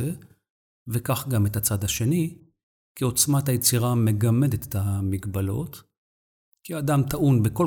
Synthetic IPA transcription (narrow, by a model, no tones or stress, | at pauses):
e | vekaχɡame̞tat͡sad̪haʃe̞ni | kio̞t͡smatajet͡siʁame̞ɡame̞det̪etamiɡbalo̞̰t | kiadamt̪aʔunbeko